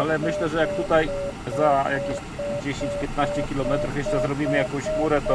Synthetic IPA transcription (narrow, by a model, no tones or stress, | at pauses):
alɛmɘɕlɛʐɛjak̚t̪ut̪ajzajakʲeɕ | d͡ʑeɕẽɲt͡ɕpʲjɛt̪̚naɕt͡ɕɛkʲilɔmɛt̪ɾufjɛʂt͡ʂɛzɾɔbʲimɘjakɔ̃w̃ɕxmuɾɛt̪ɔ